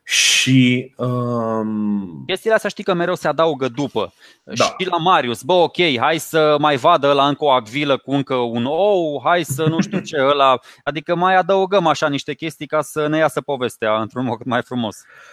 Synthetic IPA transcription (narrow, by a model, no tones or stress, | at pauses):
ʃiə | kʲe̞st̪iːleast̪jaʃt̪ikəme̞ɾewsead̪auɡəd̪upə̰ | dʃiḁilamaɾiusbəo̞kʲe̞jɦajsəmajvad̪əəlaɨŋkəoaɡviləkuɨŋkəunowɦajsənuʃt̪iut͡ʃe̞əlaad̪ikəmajad̪əuɡəmaʃaniʃt̪e̞kʲe̞st̪ijkasənejasəpo̞ve̞st̪eaɨnt̪ɾunmokd̪majfɾumo̞s